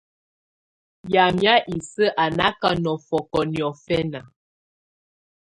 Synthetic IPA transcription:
ja˨mja˦ʔi˨sə˦ʔa˨na˦ka˦nɔ˨fɔ˨kɔ˨njɔ˨fɛ˦na˨

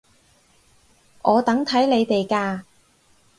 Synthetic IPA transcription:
ʔɔː˨˧t̪ɐ˨˥ŋt̪ʰɐ˨˥jle˨˧jt̪e˨jkaː˧

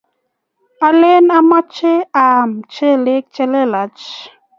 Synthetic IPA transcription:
a˨le˦na˦ma˦t͡ʃe˦a˨mt͡ʃe˦le˦k̚t͡ʃɛ˦le˦la˨t͡ʃ

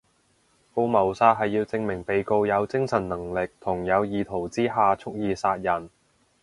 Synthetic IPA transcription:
po˧wmɐ˨˩wsaː˧t̚ɦɐ˨jːiː˧wt͡sɪ˧ŋmɪ˨˩ŋpe˨jko˧wjɐ˨˧wt͡sɪ˥ŋsɐ˨˩nnɐ˨˩ŋlɪ˨k̚t̪ʰʊ˨˩ŋjɐ˨˧wjiː˨t̪ʰo˨˩wt͡siː˥ɦaː˨t͡sʰʊ˥k̚jiː˨˧saː˧t̚jɐ˨˩n

